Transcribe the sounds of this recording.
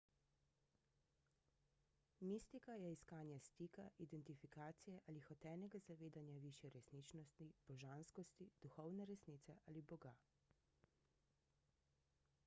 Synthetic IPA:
mist̪ikajɛiskaːnjɛst̪iːkaʔid̪ɛnt̪ifikaːt̪sijɛʔaːlixɔt̪ɛːnɛɡazaʋeːd̪anjaʋiʃjɛɾɛsniːt͡ʃnɔst̪ib̥ɔʒanskɔst̪id̪̥uxɔwnɛɾɛsnit̪sɛʔalibɔɡa

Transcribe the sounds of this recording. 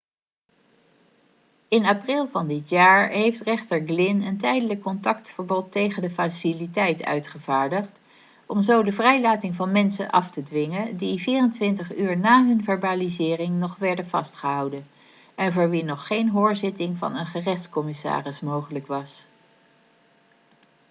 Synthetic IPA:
ɪnaprɪlˠvɑndɪtjaːɹɦejftrɪχtəɹɡlɪnəntɛjdələkːɔntɑktfəɹbɔtːejχəndəfasilitɛjtœ̰ɥtχəvaːɹdəχt | ɔmzowdəvrɛjlaːtɪŋvɑnmɛnsə̰nʔɑ̰ftədʋɪŋədiviːrəntʋɪntəχyːɹnaːɦɵnvɛɹbaːlizɪːrɪŋnɔχʋɛɹdəvɑ̰stχəɦɑwdən | ɛnvʊːɹʋinɔχːejnɦoːɹzɪtɪŋvɑ̰nənχərɛχtskɔmɪsa̰ːrɪsmowχələkʋɑs

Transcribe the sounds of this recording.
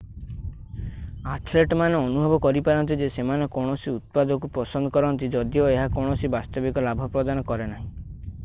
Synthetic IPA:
at̪ʰleʈmaneɔnubʱɔbɔkɔɾipaɾɔnt̪̬id͡ʒesemanekɔɽ̃ɔsiut̪̚pad̪ɔkupɔsɔnd̪ɔkɔɾɔnt̪id͡ʒɔd̪ijoeɦakɔɽ̃ɔsibast̪ɔbikɔlabʱɔpɾɔd̪anɔkɔɾenaɦĩ

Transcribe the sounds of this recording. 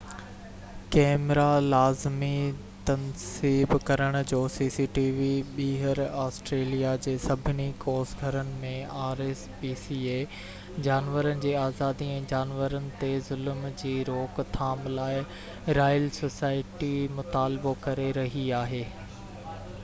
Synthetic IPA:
kɛːmɾalaːzmi | t̪ɐnsiːbkɐɾəɽ̃ʊ̆d͡ʑoːsiːsiːʈiːʋiɓiːɦəɾaːsʈɾeːlijad͡ʑeːsɐbʱɪnikoːsɡʱɐɾənɪ̆mẽaːɾeːspiːsiːeː | d͡ʑaːnʋəɾənɪ̆d͡ʑeːaːzaːd̪iɛ̃ːd͡ʑaːnʋəɾənɪ̆t̪ezʊlmd͡ʑiːɾoːkt̪ʰaːmlaːɪ | ɾaːjəlsoːsaːɪʈimʊt̪aːlɪbokɐɾeɾɐɦiaːɦeː

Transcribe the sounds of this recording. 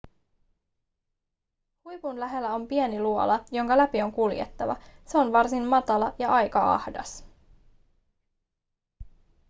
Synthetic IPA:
hujpunlæɦe̞lːæo̞mpieniluolɑjo̞ŋkɑlæpio̞ŋkuljḛt̪ːɑʋɑ̰seo̞nʋɑrsinmɑt̪ɑlɑjɑɑjkɑɑ̰hdɑ̰s

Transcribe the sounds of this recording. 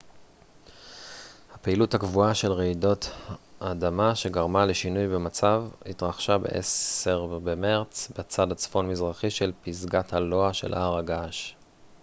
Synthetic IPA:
hapeiluthakvuaʃe̞lʁeido̞tʔadamaʃe̞ɡaʁmale̞ʃinujbemat͡savhitʁaχʃabe̞̰ʔḛseʁbemeʁt͡sbet͡sadat͡sfo̞nmizʁaχiʃe̞lpizɡathalo̞aʃe̞lʔa̰ʁaɡaʃ

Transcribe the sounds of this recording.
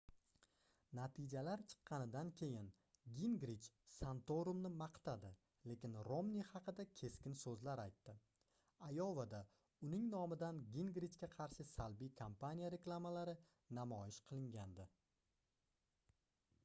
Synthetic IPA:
nat̪ʰɪd͡ʒalaɾt͡ʃʰɨ̥qːɑnɪd̪ankʲʰe̞jɪn | ɡʲiŋɡɾit͡ʃsant̪oɾumnɪmɑqt̪ʰad̪ɪ | le̞kʲɪnɾomnihɑqʰɨd̪akʲʰe̞skʲɪnsɵzlaɾajt̪ːɪ | ajɒvad̪a | ʊnɪŋnɒmɪd̪anɡʲiŋɡɾit͡ʃkʲaqʰɑɾʃɪsalbijkʰampanʲijaɾe̞klˠamalaɾɪ | namɒjɪʃqʰɨlˠɪŋɡʲand̪ɪ

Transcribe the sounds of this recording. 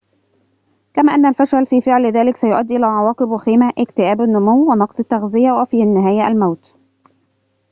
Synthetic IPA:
kæmæːʔænːælfæʃælfiːfɪʕlðæːlɪksæjʊʔæd̪ːʔɪlæːʕɑwɑːqɨbwɪxiːmaʔɪkt̪ɪʔæːbænːʊmuwwɪnɑqsˤɑt̪ːɑɣzɪjæwæfiːnːɪɦæːjæʔæ̰lmawt̪

